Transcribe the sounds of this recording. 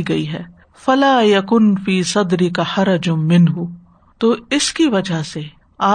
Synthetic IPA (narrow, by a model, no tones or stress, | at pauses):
iɡɐiɦɛː | fɐlaːjɐkʊnfiːsɐd̪ɾɪkaħɐɾɐd͡ʒmɪnɦʊ | t̪oːɪskiʋɐd͡ʒʱase | aː